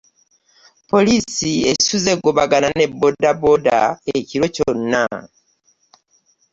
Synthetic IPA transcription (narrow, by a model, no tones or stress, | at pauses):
po̞lisiesuze̞ɡoβaɡanane̞bːo̞daboda̰eciɾo̞conːa̰